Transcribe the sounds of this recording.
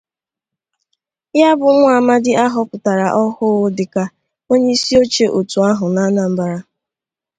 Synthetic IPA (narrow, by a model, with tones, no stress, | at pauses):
ja˦bʊ˨˦ŋʷ˦a˨ma˦dɪ˦ʔa˦ɦɔ˦pʊ˨ta˨ɾa˨ʔɔ˦hʊ˦ʊ˦dɪ˨ka˦ | o˦ɲe˦i˦si˦o˦t͡ʃe˨ʔo˨tu˨a˦ɦʊ˨na˦na˨m̩˦ba˨ɾa˦